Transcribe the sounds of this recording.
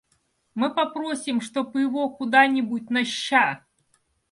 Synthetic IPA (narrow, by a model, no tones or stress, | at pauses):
mɨpɐpɾosʲɪmʂt̪opɪvokʊd̪anʲɪbʊt̚ʲnɐɕːa